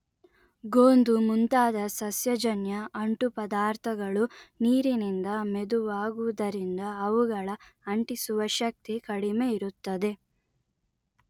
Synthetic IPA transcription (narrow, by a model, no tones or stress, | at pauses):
ɡoːnd̪umunt̪aːd̪ɐsɐsjɐd͡ʒɐnjɐʔɐɳʈupɐd̪aːɾt̪ʰɐɡɐɭuniːɾinind̪ɐmed̪uʋaːɡuʋɐd̪ɐɾind̪ɐːʋuɡɐɭɐɐɳʈisuʋɐʃɐk̚t̪ikɐɽime̞iɾut̪ːɐd̪e̞